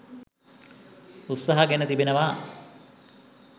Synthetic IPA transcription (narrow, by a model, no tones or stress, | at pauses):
ut̪saɦaɡenət̪ibenəʋa